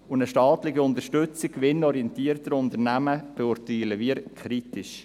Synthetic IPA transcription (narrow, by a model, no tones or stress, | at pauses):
ʊnəʃtɑːt̪lɪɡiʊnd̪əʃtʏt͡sɪkːʋɪnɔɾiɛnt̪iːəɾtəɾʊnt̪əɾnæməb̥eʊɾtiləviːɾkʰχɾitɪʃ